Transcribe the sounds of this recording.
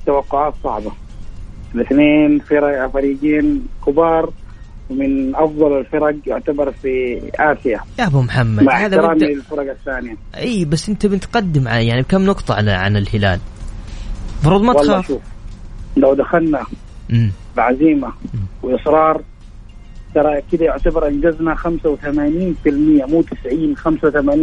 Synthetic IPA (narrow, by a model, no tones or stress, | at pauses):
t̪awɑqːʊʕaːt̪sˤɑ̰ʕba | ɪlɪθneːnfɪɾɑɡafaɾiːɡiːnkʊbɑːɾˤwmɪnʔɑfd̪ˤɑlalfɑɾˤɑɡjɪʕt̪abɑɾˤfiʔaːfɪjajabamħamːadmaahaːðaɾaːmlɪlfɑɾˤɑɡaθːaːnɪja | ʔiːbasːʔɪnt̪abɪnɪt̪qɑd̪ːɪmʕajaʕnibkamːnʊqt̪ˤɑʕaʕa̰nɪlhɪla̰ːl | fɑɾuːd̪ˤmat̪lːʃaːʃuːf | lawd̪axalna | ʔmːlʕaziːmawɪʔɪsˤɾˤɑːɾˤ | t̪ɑɾˤɑkɪd̪ajʊʕt̪abɪɾˤʔand͡ʒaznaxamsawθamaːniːnfɪlmɪjːamuːt̪ɪ̥sʕiːnxamsawt̪amaːniː